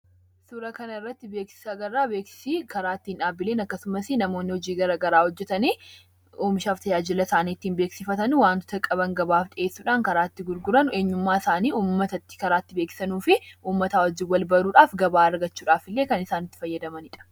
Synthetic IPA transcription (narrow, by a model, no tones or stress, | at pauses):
suɾɐkɐnɐɪrːɐt̪ːɪbe̞ːksɪ̥saɡɐrːaːbe̞ːksɪ̥sikɐɾaːt̪ːɪɪnᶑaːbːɪleːnɐkːɐsʊmɐsɪnɐmoːnːɪhɔd͡ʒiːɡɐɾɐɡɐɾaːhɔd͡ʒːɛt̪ɐniː | oːmɪʃaːft̪ɐd͡ʒaːd͡ʒɪlɐsaːniːt̪ːiːnbeːksɪfɐt̪ɐnwaːnt̪ɔ̥t̪ɐkʼɐbɐŋɡɐbaːfᶑʼɪʔe̞ːsːuːᶑaːŋkɐɾaːt̪ːɪɡʊɾɡʊɾɐnʊe̞ːɲːʊmːaːɪsaːniːuːmːɐt̪ɐt̪ːɪ̥kɐɾaːt̪ːɪbeːksɪ̥sɐnuːfɪʔuːmːɐt̪aɔd͡ʒɪwɐlbɐɾuːᶑaːfɡɐbaːɐɾɡɐt͡ʃːuːᶑaːfɪlːe̞ːkɐnɪsaːnɪt̪ːɪ̥fɐjːɐd̪ɐmɐnɪᶑɐ̥